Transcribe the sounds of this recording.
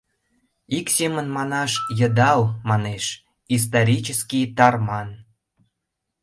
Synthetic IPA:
iksemənmɑnɑʃjəd̪ɑlmɑneʃ | is̬t̪oɾʲit͡ɕəskit̪ɑrmɑn

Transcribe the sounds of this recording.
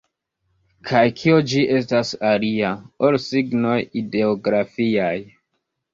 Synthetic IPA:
kʰajkʰiod͡ʒiʔe̞stasaliaolsiɡno̞jide̞oɡɾafiaj

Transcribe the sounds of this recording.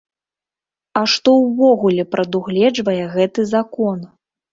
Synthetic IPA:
ɐʂt̪ɔwvɔɣulʲɛpɾɐd̪uɣlʲɛd͡ʐvɐjɛɣɛt̪ɨzakɔn

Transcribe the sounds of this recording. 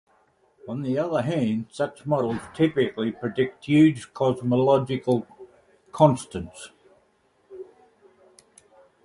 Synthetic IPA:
ə̃nðiʌðəɦæ̃nd̥sʌt͡ʃmɒɾl̩ˠz̥tʰɪpɪklipʰɹ̥ɨdɪk̚tjʉːd͡ʒ̥kʰɑzməlɑd͡ʒɪkəlˠ | kʰɑ̃nstə̃ns

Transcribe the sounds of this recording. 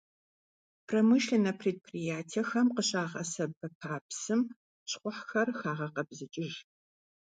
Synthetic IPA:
pʰrɐmɨʃɬɐnɐpʰreːd̚pʰrijaːtʰiɛxɐmqəɕʼaːʁɐ̰sɐbɐpʰaːpsɨm | ɕχʷʊħxɐrxaːʁɐqɐbzɨt͡ʃʼɪʒ

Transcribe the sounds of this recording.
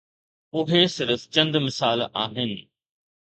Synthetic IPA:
ʊɦesɪɾft͡ɕɐ̃nd̪mɪsaːla̰ːɦɪnɪ̆

